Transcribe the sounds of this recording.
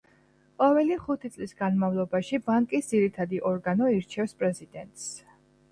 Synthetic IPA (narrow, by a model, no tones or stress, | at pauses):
qʼɔvɛliχut̪ʰit̪sʼlisɡanmavlˠɔbaʃibaŋkʼisd̪ziɾit̪ʰad̪iʔɔɾɡanɔiɾt͡ʃʰɛfspʼɾɛzid̪ɛnt̪ʼs